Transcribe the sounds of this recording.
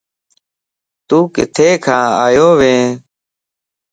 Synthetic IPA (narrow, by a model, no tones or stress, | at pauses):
t̪uːkɪ̰t̪ʰeːkʰãːaːjoːʋẽː